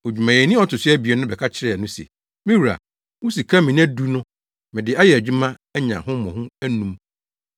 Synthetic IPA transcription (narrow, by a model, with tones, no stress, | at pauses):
o˨d͡ʑᶣu˨mã˨je˨nĩ˦ɔ˦tʊ˨sɪ˦æ˦bi˨ɛ˦nʊ̃˦bɛ˨kʰa˦t͡ɕʰɪ˦ɾɛ˨nʊ̃˦sḛ˨ | mĩ˦wu˨ɾa̰˨ | wʊ̃˦si˨kʰa˦mĩ˨ñ˦æ˦du˦nʊ̃˦ | mɪ̃˨dɪ˨a˦jɛ˨æ˨d͡ʑᶣu˦mã˦ | ɛ˦ɲã̰˨hʊ̃˦mɔ̃˨hũ˦æ˦nũ˨˦m